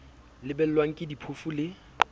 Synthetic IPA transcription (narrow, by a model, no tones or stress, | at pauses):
lɪbɛl̩lwaŋ̩kʼɪdipʰofulɪ